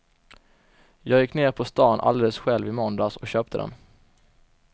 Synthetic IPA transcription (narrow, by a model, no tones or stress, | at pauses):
jɑːɡjɪkːneːɾpʰɔst̪ɑːnʔa̰ld̪eːləsɧɛlvɪmɔnd̪asɔkɕøːp̚t̪ʰəd̪ɛ̰n